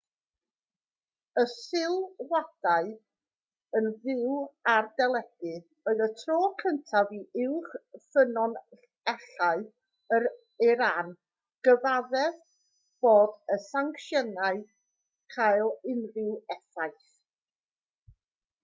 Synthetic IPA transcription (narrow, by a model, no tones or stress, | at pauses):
əsɪlˠwad̥aɨ | ənðɪwardɛlˠɛɡ̥ɨ | oɨðətʰroːkʰəntʰaviʔɪwχfənɔn | ɛɬaɨ | əɾ | ɪɾan | ɡ̥əvaðɛð | b̥oːdəsaŋkʃjənaɨ | kʰajlˠɪnðɪwɛθajθ